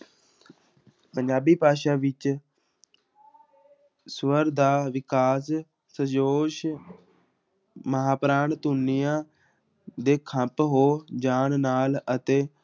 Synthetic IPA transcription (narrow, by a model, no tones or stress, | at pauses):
pəɲd͡ʒaːbiːpaːʃaːʋɪt͡ʃ | sʋəɾd̪aːʋɪkaːs | səd͡ʒoːʃ | məɦaːpɾaːnt̪ʊnːijãː | d̪eːkʰəpɦoːd͡ʒaːnnaːlət̪eː